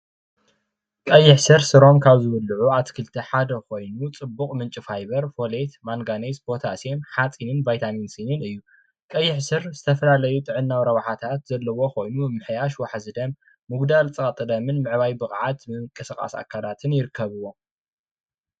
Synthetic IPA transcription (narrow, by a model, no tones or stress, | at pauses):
kʼɐjːɪħsɨɾsɨɾo̞mkʰaβzɨβɨlɨʕuat̪kʰɨlt̪ʰiħad̪ɐko̞jnut͡sʼɨbːukʼmɨnt͡ʃʼifajbɐɾfo̞let̪maŋɡanesb̥o̞t̪ʰasemħat͡sʼinɨnvajt̪ʰaninsinɨnɨjːu | kʼɐjːɪħsɨɾzɨt̪ʰɐfɐlalɐjut̪ʼɨʕɨnːawɾɐβaħat̪ʰat̪zɐlːɐwo̞ko̞jnumɨħjaʃwaħazɨd̪ɐmː | ɨɡd̪alt͡sʼɐkʼɐt̪ʼɨd̪ɐmɨnmɨʕβajbɨχʼʕat̪mɨŋkʼɨsɨkʼa̰sa̰kʰalat̪ʰɨnjɪɾɨkʰːɐβɨwo̞